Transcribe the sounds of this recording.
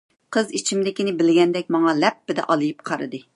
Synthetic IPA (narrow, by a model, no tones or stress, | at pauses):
qʰəzit͡ʃʰimd̪ɪkʲinɪbɪlɡʲɛnd̪ɛk̚ʲmɑŋɑlɛpːɪd̪ɛ̰ʔɑlˠɨjip̚qʰɑɾɨ̰d̪ɨ